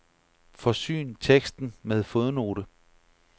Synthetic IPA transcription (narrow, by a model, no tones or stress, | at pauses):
fɒ̽sy̰ːnt͡sʰeɡ̥sd̥n̩með̞ˠfoðˠno̝̰ːɾ̥ə